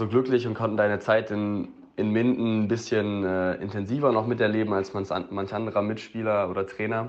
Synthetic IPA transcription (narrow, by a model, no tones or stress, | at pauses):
zoːɡlʏklɪçʊnt̚kʰɔntn̩d̥aɪnət͡saɪtɪn | ɪnmɪntn̩bɪsçənɛːʔɪ̰ntʰɛnziːvɐnɔχmɪtɛɐleːbm̩alsansmançʔandəʁɐmɪtʃpiːlɐoːdɐtʁ̥ɛːnɐ